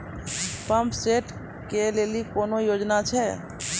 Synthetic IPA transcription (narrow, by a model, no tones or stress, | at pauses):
pəmpseːʈ | keleːlikoːnojoːd͡ʒnat͡ʃʰɛ